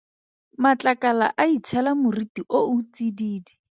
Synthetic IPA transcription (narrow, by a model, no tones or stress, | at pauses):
mat͡ɬakala̰ʔait͡sʰɛlamʊritiʔout͡sidiːdɛ